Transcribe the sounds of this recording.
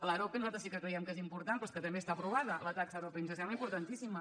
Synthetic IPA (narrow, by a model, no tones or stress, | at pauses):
ələɾopenuzat̪ɾəsikəkɾɛjɛmkezimpuɾt̪anpɾɔskət̪əmbest̪apɾuβaðələt̪aksəɾopeinsəsɛmbləimpuɾt̪ənt̪isimə